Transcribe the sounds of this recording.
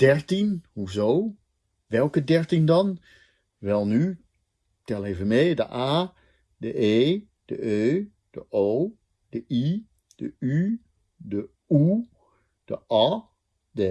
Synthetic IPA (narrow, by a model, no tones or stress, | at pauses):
d̥ɛɹtinhuzow | ʋɛlˠkədɛɹtindɑn | ʋɛlˠny | tɛlˠejvənmejdə̰ʔaː | dəʔeː | d̥əʔøː | d̥əʔoː | d̥əʔi | d̥əy | də | u | d̥əʔɑ | də